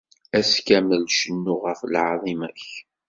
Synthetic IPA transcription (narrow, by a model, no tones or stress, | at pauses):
æskæməlʃənːʊʁəflʕɑðˤimæç